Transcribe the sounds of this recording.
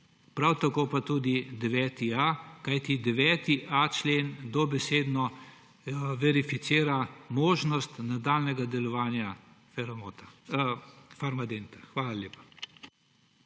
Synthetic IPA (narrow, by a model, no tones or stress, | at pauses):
pɾawt̪akoːpat̪uːd̪id̪ɛʋɛːt̪iakajt̪id̪ɛʋɛːt̪iʔat͡ʃleːnd̪ɔbɛseːd̪nɔ | ʋɛɾifit̪siːɾamoːʒnɔst̪nad̪aːlnɛɡad̪ɛlɔʋaːnja | fɛɾmoːt̪a | faɾmad̪eːnt̪axʋaːlalʲjeːpḁ